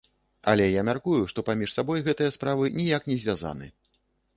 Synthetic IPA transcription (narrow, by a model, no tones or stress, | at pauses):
ɐ̰lʲɛjamʲarkujuʂt̪ɔpamʲiʂsabɔjɣɛt̪ɨjɐspɾavɨnʲijaknʲɛzʲvʲaza̰nɨ̰